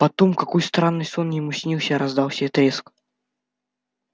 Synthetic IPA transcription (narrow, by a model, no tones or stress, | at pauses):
pɐt̪omkɐkojst̪ɾanːɨjsonjɪmusʲnʲilˠsʲəɾɐzd̪awˠsʲɪbʲɛt̪ɾʲesk